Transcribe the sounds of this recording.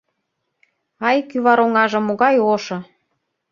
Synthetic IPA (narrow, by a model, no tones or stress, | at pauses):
ɑjkyβɑɾoŋɑʒɤ̆moɣɑjoʃɤ̆